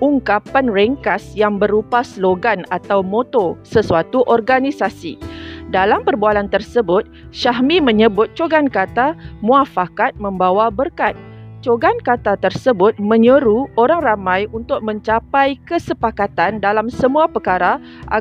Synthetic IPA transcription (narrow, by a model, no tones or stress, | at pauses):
uŋkapanrɛŋkasjaŋbəɾupasloɡanat̪awmot̪osəsuat̪uʔɔrɡanisasḭdalampərbualant̪ərsəbʊt̪̚ | ʃaɦmimə̃ɲə̃bʊt̪̚t͡ʃoɡankat̪amũafakat̪̚mə̃mbawabərkat̪̚t͡ʃoɡankat̪at̪ərsəbʊt̪̚mə̃ɲəɾuoɾaŋramãjunt̪ʊk̚mə̃ɲt͡ʃapajkəsəpakat̪andalamsəmũapərkaɾa | ʔa